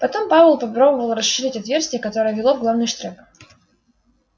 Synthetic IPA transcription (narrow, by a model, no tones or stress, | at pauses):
pɐt̪ompavəlˠpɐpɾo̞bəvəlˠɾɐsʂɨɾʲitʲɐt̪vʲe̞rsʲtʲɪjəkɐt̪o̞ɾəjəvʲɪlˠovɡlˠavnɨjʂt̪ɾɛp